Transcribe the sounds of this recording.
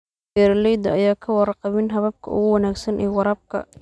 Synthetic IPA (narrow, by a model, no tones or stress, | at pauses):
bɛɾlɛjd̪ɐɐjaːkʰɐwɑɾqɑβɪnɦɐβɐb̚kʰɐ̰ʊ̰ɣʊwɑnaːɡsɐnʔɛːwɑɾɐb̚kʰɐ̰